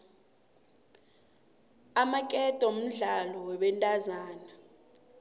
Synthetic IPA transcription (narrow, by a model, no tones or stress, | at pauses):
amakʼɛtʼɔm̩ɮalɔwɛɓɛntʼazaːna